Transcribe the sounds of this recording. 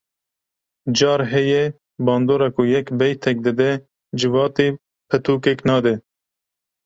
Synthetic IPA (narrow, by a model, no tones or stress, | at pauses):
d͡ʒɑːɾɦɛjɛ | bɑːnd̪oːɾɑkujɛkbɛjt̪ʰɛk̚d̪ɨd̪ɛ | d͡ʒɪvɑːt̪iː | pʰɛt̪ʰuːkeknɑːd̪ɛ